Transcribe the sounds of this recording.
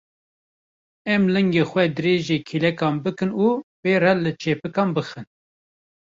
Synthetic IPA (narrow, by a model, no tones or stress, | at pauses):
ɛmlɨŋɡeːxwɛd̪ɨɾeːʒeːkʰilɛkɑːmbɨkɨnuːbeːɾɛlɨt͡ʃʰeːpɨkɑːnbɨxɨn